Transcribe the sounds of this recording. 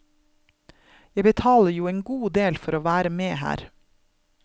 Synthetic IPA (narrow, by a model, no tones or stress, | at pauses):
jæbət̪ʰɑːləjuːeːŋɡuːd̪eːlfɔɾoːʋæːɾəmeːhæ̰ːɾ